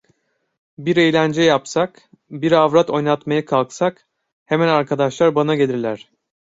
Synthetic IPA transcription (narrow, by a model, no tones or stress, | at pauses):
biɾe̞jlʲænd͡ʒɛjapsak | biɾavɾat̪ʰo̞jnat̪majakʰalˠksak | hemænaɾkʰad̪aʃlˠaɾbanaɟelʲiɾlʲæɾ̝̥